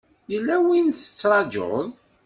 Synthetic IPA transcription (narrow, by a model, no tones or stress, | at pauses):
jəlːæwinθə̥t͡sːɾˤɑd͡ʒo̰ðˤ